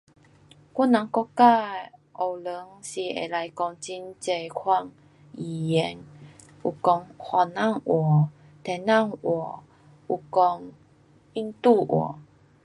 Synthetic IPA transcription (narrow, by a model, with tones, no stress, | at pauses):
kɔ˦˥˦na˨˦ŋkɔ˧ka˥˧˨ʔɔ˨˩wlə˨˦ŋsi˧˩ḛ˨˩la˧jkɔ˧ŋt͡ɕi˧˦nt͡se˨˩kʰwa˧˨ŋ | i˨˩jɛ˧˦ŋ | ʔu˨˩kɔ˧ŋhwa˧˩na˥˨ŋʔwɔ˨˩˨ | t̪ʰɛ˨na˥˨ŋwɔ˨˩˦ | u˨˩kɔ˧ŋ | i˦nt̪u˥˧˨ʔwɔ̰˨˩